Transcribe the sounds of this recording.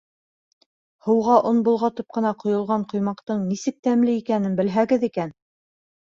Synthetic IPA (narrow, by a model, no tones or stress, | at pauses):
hɤ̆wʁɑʔonbŭlˠʁɑt̪ɤp̚qɤ̆nɑqŏjŏlˠʁɑɴqŏjmɑqt̪ɤɴnisɘk̚t̪æmlɘikænɘnbɘ̆lɦæɡɘðikæn